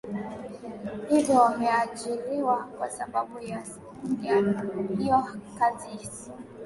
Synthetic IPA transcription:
idɔmiad͡ʒiliwakwa̰sababuja | diaiɔkazisi̥

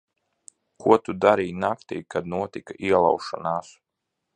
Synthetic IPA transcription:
kuɔt̪ud̪aɾiːjnakt̪ḭjkad̪̚nuɔt̪ikaʔiɛlˠa̰wʃɔnaːs

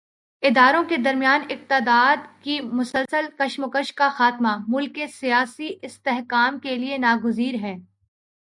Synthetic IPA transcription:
ɪd̪aːɾõked̪ɐɾmijaːnɪq̚t̪ɪd̪aːd̪kimʊsəlsəlkɐʃmʊkəʃkaxaːt̪mamʊlkːesijaːsiʔɪst̪eɦkaːmkelienaːɡʊziːɾɦɛ̃ː

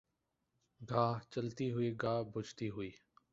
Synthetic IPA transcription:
ɡʱaːɦt͡ʃəlt̪iːɦʊiːɡʱaːɦbʱʊd͡ʒʱt̪iːɦʊiː

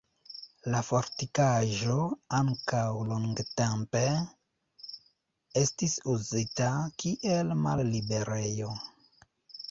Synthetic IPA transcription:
lafoɾtikaʒo̞aŋkawloŋɡtempe | estisuzitakiʔelma̰lːibe̞ɾejo̞

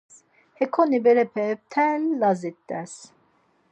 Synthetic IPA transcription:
hɛkʰonibɛlɛpʰɛp̚t̪ʰɛlːazit̪ːɛs

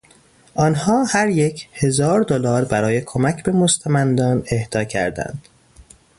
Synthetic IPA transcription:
ʔɒːnhɒːhæɾjecʰhe̞zɒːɾd̪olɒːɾbæɾɒːje̞kʰo̞mæcʰbe̞most̪æmænd̪ɒːne̞hd̪̥ɒːcʰæ̰ɾd̪æ̰nd̪̥

